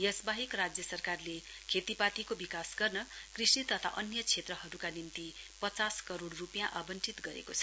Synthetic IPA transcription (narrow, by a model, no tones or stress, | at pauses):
jʌsbaɦikrad͡zjʌsʌrkarle | kʰet̪ipat̪ikobikasɡʌrnʌkrisnit̪ʌt̪ʰa̰ʔʌnjʌt͡sʰet̪rʌɦʌɾukanint̪ipʌt͡saskʌɾoɽrupjãʔabʌnt͡sit̪ɡʌɾḛkot͡sʰʌ̥